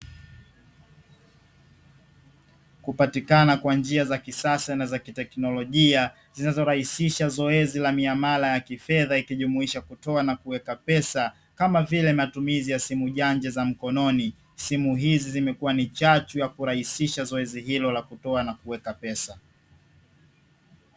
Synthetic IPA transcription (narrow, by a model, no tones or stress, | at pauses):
kupatikanakwand͡ʒiazakisasanazakitɛknɔlɔʄia | zinazɔɾahisiʃazɔɛzilamiamalajakifɛðaikiʄumuiʃakutɔanakuwɛkapɛsa | kamavilɛmatumizijasimuʄand͡ʒɛzam̩kɔnɔni | simuɦizizimɛkuwanit͡ʃat͡ʃujakuɾahisiʃazɔɛzihilɔlakutɔanakuwɛkapɛsa